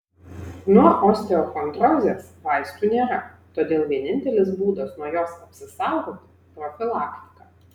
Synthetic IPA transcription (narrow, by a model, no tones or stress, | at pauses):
nuɐʔɔsʲt̪ʲɛɔxɔnd̪ɾɔzʲɛsʋajʲst̪unʲɛɾa | t̪ɔd̪ʲɛlˠʋʲɛnʲɪnʲt̪ʲɛlʲɪzbud̪ɐsnɔjɔsɐpsʲɨst̪awɣɔt̪ʲɪ | pɾɔfʲɪlˠakt̪ʲɪ̥kɐ